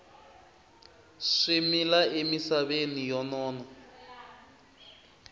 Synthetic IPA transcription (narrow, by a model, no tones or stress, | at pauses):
ʂimilaemisaβenijɔnɔːnɔ